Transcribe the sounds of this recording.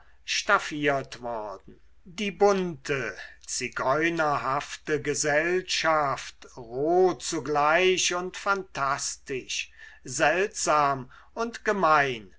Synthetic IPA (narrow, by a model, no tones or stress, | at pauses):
ʃtafiːɐtv̥ɔʁdn̩ | diːbʊntʰət͡siɡɔʏnɐɦaftəɡəzɛlʃaftʁoːt͡suɡlaɪʃʊntfantʰastɪʃzɛltz̥aːm | ʊntɡ̥əmaɪn